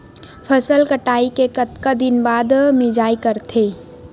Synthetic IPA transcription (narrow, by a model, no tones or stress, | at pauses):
pʰəsəlkəʈaːikekət̪kad̪ɪnbaːd̪mɪd͡ʒaːikəɾt̪ʰe